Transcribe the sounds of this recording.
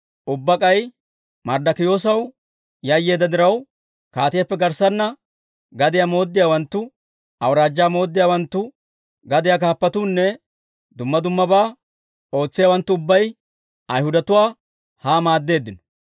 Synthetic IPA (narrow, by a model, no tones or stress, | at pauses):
ʔʊbːɐkʼɐj | mɐɾd̪ɐkɪjo̞ːs̬ɐw | jɐjːeːd̪ːɐd̪ɪɾɐw | kaːt̪ɪjɐpːɛɡɐɾsɐnːɐ | ɡɐd̪ɪjamo̞ːd̪ːɪjaːwɐnt̪ːʊ | ʔɐwɾaːd͡ʒːaːmo̞ːd̪ːɪjaːwɐnt̪ːʊ | ɡɐd̪ɪjak̬aːpːɐt̪uːnːɛ | d̪ʊmːɐd̪ʊmːɐbaː | o̞ːt͡sːɪjawɐnt̪ːʊʊbːɐj | ɐjhʊd̪ɐt̪ʊwaː | haːmaːd̪ːe̞ːd̪ːɪnɔ̥